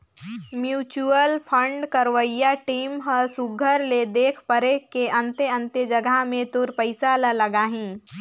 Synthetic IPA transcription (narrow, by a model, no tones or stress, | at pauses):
mjuːt͡ʃuəlpʰə̃ɳɖkəɾʋəijaʈiːmɦəsuɡʱəɾled̪eːkʰpəɾekeʔɐ̃nt̪eə̃nt̪əd͡ʒəɡamẽt̪ʊɾpəɪsalələɡaːɦĩː